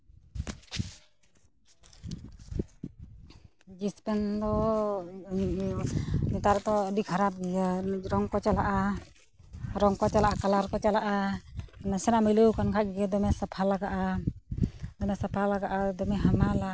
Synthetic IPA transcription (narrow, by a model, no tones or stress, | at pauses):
d͡ʒispɛnd̪ɔ | nit̪aɾt̪ɔdikʰaɾap̚ɡijaɾɔŋkɔt͡ʃɛlaʔa | ɾɔŋkɔt͡ʃɛlaʔakalaɾkɔt͡ʃalaʔa | nɛsɛnaʔmiluwkankʰaʔ̚ɡɛd̪ɔmɛsapʰalaɡaʔa | d̪ɔmɛsapʰalaɡaʔad̪ɔmɛɦamala